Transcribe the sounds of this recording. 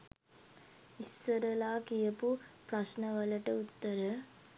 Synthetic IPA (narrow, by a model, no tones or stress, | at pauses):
isːɐɾɐlaːkijɐpupɾɐʃnɐʋɐlɐʈɐut̪ːɐɾɐ